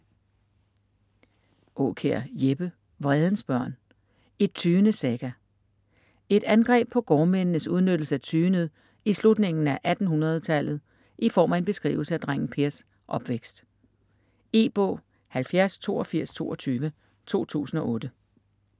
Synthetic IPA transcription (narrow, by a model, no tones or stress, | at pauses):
ʔɔ̰̽ːkʰeɐ̰jeb̥ə | ʋʁɛð̞ˠn̩sb̥ɶɐ̰n | e̝d̥̚t͡sʰyːnəseɡ̥æ | e̝d̥ænɡ̥ʁɛ̰ːb̥̚pʰɒ̽ɡ̥ɒːmennəsuð̞ˠnød̥l̩səæt͡sʰyːnəð̩ˠ | islud̥ne̝ŋn̩æʔæd̥n̩ɦunʁɐð̞ˠt͡sʰæl̰ð̞̩ˠ | ʔifɒ̰ːmæe̝nb̥e̝sɡ̥ʁḭːʊl̩səæd̥ʁaŋ̰n̩pʰe̝ɐs | ʔɒ̽b̥ʋeɡ̥sd̥ | e̝̰ːb̥ɔ̰̽ː | hælfjæɐst͡sʰo̝̰ːɒfiɐ̰st͡sʰo̝̰ːɒt͡sʰyːʋə | t͡sʰo̝̰ːt͡sʰṵːsn̩ɒ̽ʔɔ̽ːd̥ə